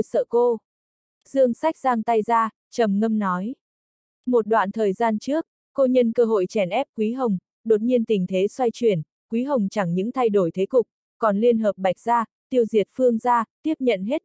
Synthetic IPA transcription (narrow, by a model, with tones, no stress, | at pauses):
sə̰ː˧˨ko˧ | z̥ɨ˧əŋsa˦˥jk̟̚zaː˧ŋt̪a˧jzaː˧ | t͡ɕə˨˩mŋə˧mnɔ˨˦j | mo˨˩t̚ɗwa̰ː˧˨nt̪ʰəː˨˩jzaː˧nt͡ɕɨ˦˥ək̚ːo˧ɲə˧nkəː˧ɦo̰˧˨jt͡ɕɛ˧˩nʔɛ˦˥p̚kwi˨˦ɦə˨˩wŋ͡m | ɗo˨˩t̚ɲi˧ənt̪ï˨˩ŋ̟t̪ʰe˨˦swa˧jt͡ɕwi˨˧˩ən | kwi˨˦ɦə˨˩wŋ͡mt͡ɕa˧˩ŋɲɨ̰˧˥ŋt̪ʰa˧jɗo˧˩jt̪ʰe˨˦kʊ˨˩k͡p̚ | kɔ˨˩nli˧ənɦəː˨˩p̚ɓa˨˩jk̟̚zaː˧ | t̪i˧əwzi˨˩ət̚fɨ˧əŋzaː˧t̪i˦˥əp̚ɲə̰˧˨nɦe˦˥t̚